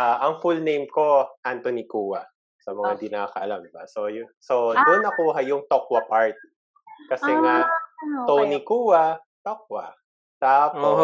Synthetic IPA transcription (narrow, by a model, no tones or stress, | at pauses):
ʔaʔɐŋfulnejmko̞ʔant̪onikuːwɐ | sɐmɐŋaɡ̪ɪnaːkɐʔɐlamd̪ɪba̰so̞jʊsod̪ʊnːɐkuːɦɐjʊŋt̪okwɐpaɹt̪i̥ | kɐsɛŋat̪ownikuːwɐ | t̪ok̚wɐ̰ | t̪apo